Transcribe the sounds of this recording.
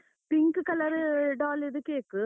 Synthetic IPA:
pɪŋɡɯkɐlɐɾɯɖaːlɪðɯkeːkːɯ

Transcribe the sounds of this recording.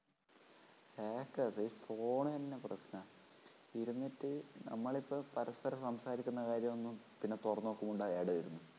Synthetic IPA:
heːkːaːsɐiːfo̞ːɳɨt̪ɐnːeprɐɕnɐ | iɾunːitːɨnʔɐ̰mːɐɭipːopɐɾɐspɐɾɐmsɐmsaːɾikʲːunːɐkaːɾjɐmonːum | pinːe̞t̪urɐnːoːkːumuɳɖaːeːɽɐːiɾunːu

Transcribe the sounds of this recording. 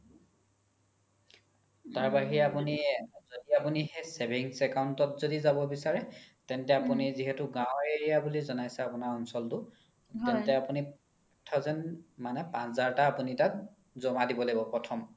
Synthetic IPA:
taɹbaɦiapunizodiapunihɛsebiŋsɛkawntɔtzodizabɔbisaɹɛtɛntɛapuniziɦɛtʊɡãwʊ̃eɹijabulizɔnajsɛapunaɹɔnsɔltʊ | tɛntɛapuni | tʰːɔzɛnmanɛpãszaɹtaːpunitat̚ | zomadibɔlebɔpɹɔtʰɔm

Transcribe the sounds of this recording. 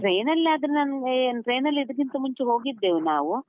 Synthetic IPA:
ʈɾeːnɐlːɐːd̪ɐɾenaːnnʈɾe̞ːnɐlːid̪ɐkint̪ɐmuɲt͡ʃeɦo̞ːɡid̪ːeːʋunaːʋu

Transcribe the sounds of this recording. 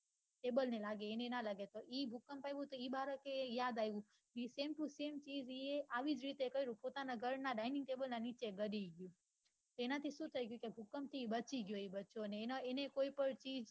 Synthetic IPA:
ʈebəlnelaɡeːnenalaɡet̪oʔibʱukəmpajʋũt̪oibaɾək̪ejad̪ajʋũ | nisemʈũsemt͡ʃiːd͡ʒieʔaʋid͡ʒɾit̪ekəiɾũpot̪anaɡʱəɾnaɖainɪ̃ŋɡʈebəlnanit͡ʃeɡəɾiɡjũ | t̪oenat̪ʰiʃũt̪ʰəjɡjũkebʱukəmt̪ʰibət͡ʃiɡjoibətːt͡ʃonenoenekoipəɳt͡ʃiːd͡ʒ

